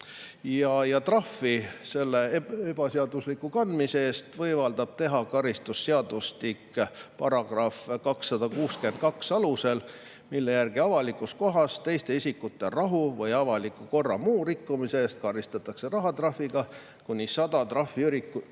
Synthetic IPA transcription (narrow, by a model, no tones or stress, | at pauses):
jɑjɑt̪rɑfise̞lːe̞eb̥ɑseɑd̪uslikːˑukɑnd̪miseeːst̪vɤjvɑld̪ɑb̥̚t̪e̞ɦɑkɑɾist̪usːeɑd̪ust̪ikːpɑɾɑɡ̥rɑfkɑksːɑd̪̥ɑkuːske̞nt̪̚kɑksɑluse̞l | milːe̞jærɡ̥iɑvɑlikːˑusko̞ɦɑst̪e̞jst̪e̞isikːˑut̪ˑːe̞rɑɦuvɤjɑvɑlikːˑuko̞rːɑmuːɾikːumiseeːst̪̚kɑɾist̪ɑt̪ːˑɑkse̞rɑɦɑt̪rɑfːiɡ̥ɑ | kunʲisɑd̪̥ɑt̪rɑfːiyɾikːu